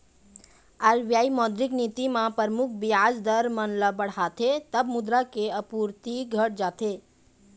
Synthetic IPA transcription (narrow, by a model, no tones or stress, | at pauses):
aɾbjaimɔd̪ɾiknit̪imãpəɾmukʰbiad͡ʒd̪əɾmənləbəɽ̤at̪ʰet̪əbmud̪ɾakeəpuɾt̪iɡʱəʈ̚d͡ʒat̪ʰe